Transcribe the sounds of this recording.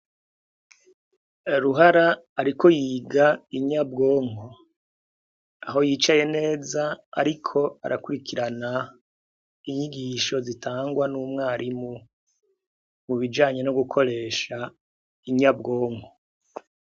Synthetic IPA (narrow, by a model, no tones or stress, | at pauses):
ɾuɦaɾaːɾikʰo̞jiːɡaiɲab̚ɡo̞ːŋo | aɦo̞jit͡ʃaje̞ne̞ːzaa̰ɾikʰo̞a̰ɾʔakuɾikiɾana | iɲiɡiːʃo̞zitʰaːŋɡwanuːmŋaːɾimu | muβid͡ʒaːɲe̞no̞ɡukʰo̞ɾe̞ːʃa | iɲabɡo̞ːŋɡo